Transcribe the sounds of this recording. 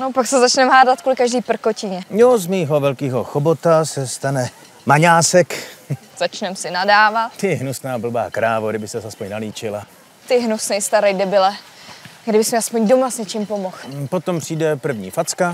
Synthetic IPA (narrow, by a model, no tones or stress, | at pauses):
nopaksɛzat͡ʃnɛmɦaːdat̪̚kulɪkaʒdiːpr̩kocɪɲɛnozmiːɦo̞vɛlkiːɦoxobot̪asɛst̪anɛ | maɲaːsɛk | z̥at͡ʃnɛmsɪnadaːvat̪t̪ɪɦnusnaːbl̩ba̰ːkɾaːvoɡdɪbɪsɛzaspoɲnaliːt͡ʃɪla | t̪ɪɦnusnɛjst̪aɾɛjɡdɛbɪlɛ | ɡdɪbɪsmɛaspoɲdomasɲɛt͡ʃɪmpomoxpot̪ompr̥iːdɛpr̩vɲiːfat͡ska